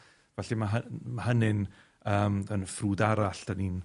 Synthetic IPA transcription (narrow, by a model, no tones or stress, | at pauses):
vɛɬimaɦəmaɦənɪn | əːmənfruːdaɾaɬd̥anin